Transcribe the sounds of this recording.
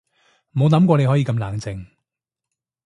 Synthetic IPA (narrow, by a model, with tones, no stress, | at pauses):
mo˨˧wnɐ˨˥mkʷɔː˧ne˨˧jɦɔ˨˥jiː˨˧kɐ˧mlaː˨˩ŋt͡sɪ˨ŋ